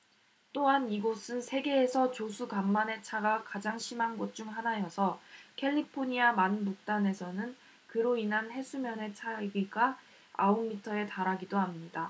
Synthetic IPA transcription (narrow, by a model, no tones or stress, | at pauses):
t͈oɦaniɡosʰɯnsʰe̞ɡe̞ːsʰʌt͡ɕosʰuɡamːane̞t͡ɕʰaɡakad͡ʑaŋɕʰimɦanɡot̚t͡ɕ͈uŋɦanajʌsʰʌkʰe̞ʎːipʰoɲiamanbuk̚t͈ane̞sʰʌnɯn | kɯɾoinɦanɦe̞sʰumjʌne̞t͡ɕʰaɡiɡa | a̰omːitʰʌe̞taɾaɡidoɦamɲida